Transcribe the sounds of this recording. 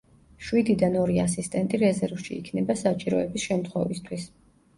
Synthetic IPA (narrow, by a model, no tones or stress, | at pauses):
ʃwid̪id̪anɔɾiasist̪ʼɛnt̪ʼiɾɛzɛɾvʃḭːkʰnɛbasat͡ʃʼiɾɔɛbisʃɛmt̪ʰχwɛvist̪ʰwis